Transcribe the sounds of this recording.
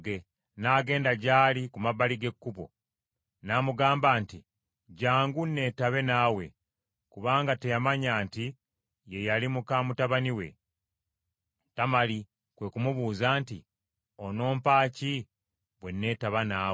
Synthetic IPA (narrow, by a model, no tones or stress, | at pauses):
ɡe | naːɡe̞ːndaɟaːlikumaβaliɡe̞kːuβo̞̰ | namuɡaːmbaːnti | ɟaːŋɡunːe̞ːtaβe̞naːwe̞̰ | kuβaːŋɡate̞jamaɲaːnti | je̞jalimukaːmutaβaniwe̞̰ | tamali | kwe̞kumuβuːzaːnti | ono̞ːmpaːci | βwe̞nːe̞taβana